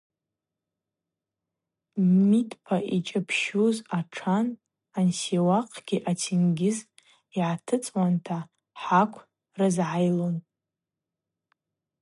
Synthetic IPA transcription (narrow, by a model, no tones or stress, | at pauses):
mitʰʼpʰaʔit͡ʃʼapʰʃuzaʈ͡ʂʰan | ansewaqʼʰɡ̥ʲiʔatʰinɡʲɪz | iʕatʰɨt͡sʼwantʰa | ħakʷʰ | rɨzʕajlon